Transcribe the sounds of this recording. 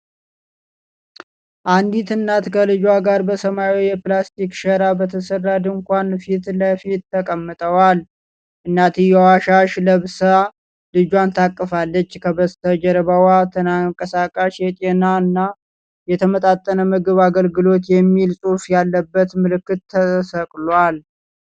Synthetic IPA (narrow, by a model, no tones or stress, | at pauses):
ʔand̪it̪ɨnːat̪kʰəlɨd͡ʒwaɡaɾbəsəmawijɛplast̪ikʃəɾabət̪ʰəsərːad̪ɨŋkʷanfit̪ləfit̪ːəkʼəmːɨt̪ʼəwal | ʔɨnːat̪ʰijɛwaʃaʃləβsa | lɨd͡ʒwant̪ʰakʼːəfalːət͡ʃːkʰəbəst̪ʰəd͡ʒɛɾəβawat̪ʰənakʼəsakʼasjɛt̪ʼenaɨnːa | jɛt̪ʰəmət̪ʼat̪ʼːənəmɨɡɨβaɡəlɡɨlo̞t̪jɛmːilsʼufjalːəbːət̪mɨlɨkːɨt̪ːʰəsəkʼlal